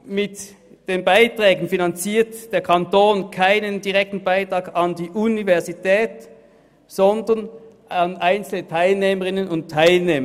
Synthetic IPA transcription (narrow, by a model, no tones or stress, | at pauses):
mɪt | d̥eːnbaɪtʁ̥ɛːɡn̩finɑnt͡siːɐtd̥eːɐkʰɑntoːnkʰaɪnəndiʁɛk̚tn̩baɪtʁ̥ɑːɡɑndiːʔunivɛɐzitʰɛːt | z̥ɔndɐn | ɑnʔaɪnt͡sl̩ətʰaɪlneːməʁɪnənʊnttʰːaɪlneːmɐ